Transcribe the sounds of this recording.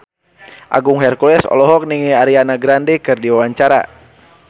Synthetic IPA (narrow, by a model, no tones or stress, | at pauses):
ʔa̰ɡuŋɦɛrkulɛsɔ̰lɔɦɔk̚niŋiaɾianaɡɾandɛkɨrdiwawaɲt͡ʃaɾa̰